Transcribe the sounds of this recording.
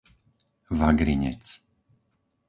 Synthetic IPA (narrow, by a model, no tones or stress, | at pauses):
ʋaɡɾiɲɛ̰t͡s